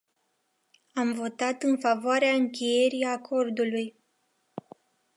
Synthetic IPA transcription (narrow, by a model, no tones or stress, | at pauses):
amvo̞t̪at̪ɨnfavoaɾeaɨŋkʲeje̞ɾiakʰo̞rd̪uluj